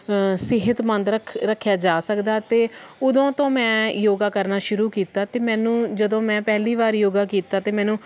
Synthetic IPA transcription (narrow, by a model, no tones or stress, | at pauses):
sɪɦət̪mə̃nd̪ɾəkʰɾəkʰːjaːd͡ʒaːsəkd̪aːt̪eːʊd̪õːt̪õːmɛ̃ːjoːɡaːkəɾnaːʃʊɾuːkiːt̪aːt̪eːmɛ̃ːnũːd͡ʒəd̪õːmɛ̃ːpɛɦliːʋaːɾjoːɡaːkiːt̪aːt̪eːmɛ̃ːnũː